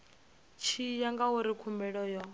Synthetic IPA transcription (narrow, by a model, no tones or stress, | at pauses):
t͡ʃʰijaŋɡawuɾikʰumbɛɺɔjɔ